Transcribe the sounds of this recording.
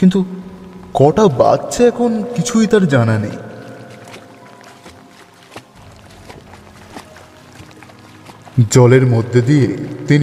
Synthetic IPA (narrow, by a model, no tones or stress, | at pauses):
kint̪ukɔʈaba̰tːɕʰeɛkʰonkit͡ɕʰujt̪aɾd͡ʑananḛj | d͡ʑɔleɾmod̪ʱːed̪iet̪in